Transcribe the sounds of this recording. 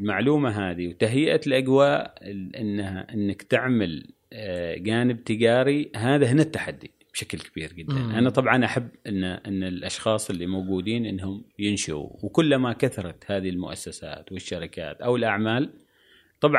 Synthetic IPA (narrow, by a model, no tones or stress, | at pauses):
lmaʕluːmaɦaːðiwt̪aɦɪjʔalʔaɡwaːʔʔɪnːaaʔɪnːakt̪ɪʕmal | d͡ʒaːnɪb̚t̪ɪɡaːɾiɦaːðaɦɪnːat̪ːaħad̪ːi | b̥ʃaklkabiːɾd͡ʒɪd̪ːa̰nʔanat̪ˤɑbʕɑnʔaħabːʔɪnːʔɪnːɪlʔɑʃxɑːsˤɪlːimowɡuːd̪iːnʔɪnːhʊmjɪnʃʊṵwkʊlːmakaθɑɾˤɑt̪haːðihilmʊ̰ʔa̰sːasa̰ːt̪wɪʃːaɾɪka̰ːt̪ʔawɪlʔaʕmaːl | t̪ˤɑbʕ